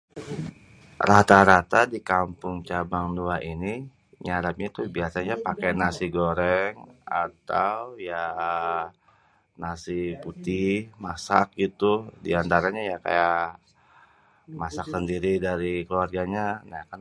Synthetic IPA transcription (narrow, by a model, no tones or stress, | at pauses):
ɾat̪aɾat̪adikampʊŋt͡ʃabaŋduaʔini | ɲaɾap̚ɲait̪ubiasaɲapakɛnasiɡoɾɛŋat̪awja | nasiput̪ɪhmasa̰k̚ɡit̪udiant̪aɾaɲajaka̰jaʔ | masaksəndiɾidaɾikluarɡaɲanaka